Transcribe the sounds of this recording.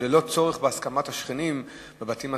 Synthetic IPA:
elo̞t͡so̞ʁeχbeaskamat̪haʃχinim | bebatima

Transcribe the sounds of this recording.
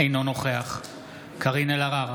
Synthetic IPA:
ejnonoχeaχ | kʰaʁinelaʁaʁ

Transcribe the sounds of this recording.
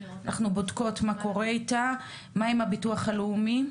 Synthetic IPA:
nʔa̰χnubodko̞tmako̞ʁeita | maemabituaχaleumi

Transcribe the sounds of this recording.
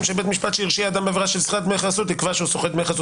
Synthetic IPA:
mʃebet̪miʃpat̪ʃeiʁʃiad̪ambeveʁaʃelsχat̪̚meχasut̪ikvaʃeusoχed̪meχasu

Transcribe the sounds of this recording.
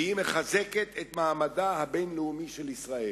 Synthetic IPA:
ime̞χazeket̪et̪maːmadahabenleumiʃelisʁae

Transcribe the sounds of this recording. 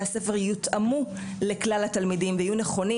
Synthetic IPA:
hase̞fe̞ʁjut̪ʔamu | leklalat̪almidimveajuneχo̞ni

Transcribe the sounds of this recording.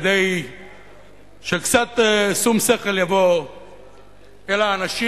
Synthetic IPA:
d̪ej | ʃekt͡sat̪esumseχe̞ljavo̞ | elaːnaʃi

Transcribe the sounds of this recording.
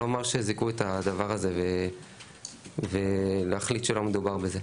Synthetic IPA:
amaʁʃezikuet̪ad̪avaʁaze̞ve | veleaχlit̪ʃelo̞med̪ubaʁbeze̞

